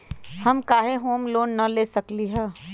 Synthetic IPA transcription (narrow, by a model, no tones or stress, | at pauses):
hɐmkaːɦeɦoːmloːnːɐleːsɐkliɦɛː